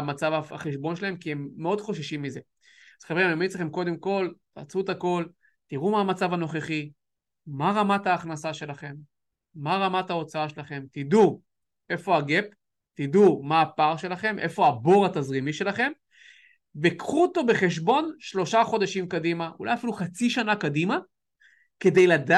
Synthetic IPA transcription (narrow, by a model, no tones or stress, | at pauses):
mat͡savaa̰χeʃbo̞nʃelae̞mkiemːeo̞d̪χo̞ʃaʃimːize̞ | z̥χaveimamit͡sleχe̞mko̞d̪e̞mko̞l | a̰t͡sut̪ako̞l | t̪iʁumaːmat͡savano̞χeχiː | aʁamat̪aːχnasaʃe̞laχe̞mː | aʁamathao̞t͡saaʃelaχe̞mt̪id̪u | e̞fo̞aɡe̞p | tid̪umaːpaʁʃe̞laχe̞mʔe̞̰fo̞abo̞ʁatazʁimiʃe̞laχe̞m | vekχut̪o̞be̞χe̞ʃ̬bo̞nʃlo̞ʃaχo̞d̪aʃimkad̪imaʔṵla̰jafiluχat͡siʃanakadima | ke̞d̪ejlad̪a